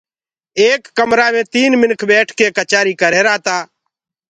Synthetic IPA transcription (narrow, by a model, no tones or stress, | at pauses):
eːkːəmɾaːmẽːt̪iːnmɪnkʰbɛːʈʰkeːkət͡ʃaːɾiːkəɾeːɾaːt̪aː